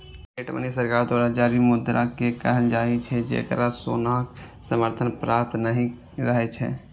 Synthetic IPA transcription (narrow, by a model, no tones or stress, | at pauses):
keːʈmə̰nisəɾkaːɾd̪aːɾad͡ʒaːɾimʊd̪ɾakekəɦənd͡ʒaːit͡ʃʰɛd͡ʒḛːkəɾasoːnaksəməɾt̪ʰənpɾaːp̚t̪nəɦĩ | ɾəɦet͡ʃʰɛ̰ː